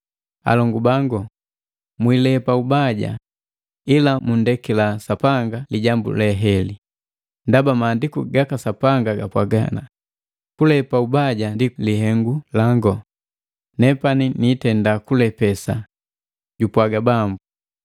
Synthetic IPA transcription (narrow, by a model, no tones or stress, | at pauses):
a̰lɔŋɡubaŋɡɔ | mwilɛpaubaɟa̰ | ilamundɛkilasapaŋɡaliɟambṵlɛɦɛli | ndabamaːndikuɡakasapaŋɡaɡapwaɡa̰na | kulɛpaubaɟandiliɦɛŋɡulaŋɡɔ | nɛpaniniːtɛndakulɛpɛsa | ɟupwaɡabambu